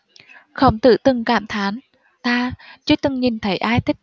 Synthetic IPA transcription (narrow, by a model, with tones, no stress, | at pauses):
xə˧˩wŋ͡mt̪ɨ̰˧˨t̪ɨ˨˩ŋkaː˧˩mt̪ʰaː˨˦n | t̪aː˧t͡ɕɨ˨˧˦t̪ɨ˨˩ŋɲi˨˩nt̪ʰə˨˦jʔaː˧jt̪ʰï˦˥k̚